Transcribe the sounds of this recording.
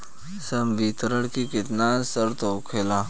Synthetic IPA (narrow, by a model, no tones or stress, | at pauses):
səmbiːt̪ɾəɽkikɪt̪naːsəɾt̪oʊkʰeːla